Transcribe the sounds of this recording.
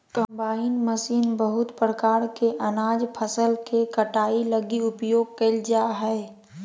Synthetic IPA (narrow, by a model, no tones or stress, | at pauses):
kə̃mbaːɪnməsiːnbəɦʊt̪pɾəkaːɾkeʔənaːd͡ʒpʰəsəlkekəʈaːiləɡiʊpjoːɡ̚kəld͡ʒaɦɛe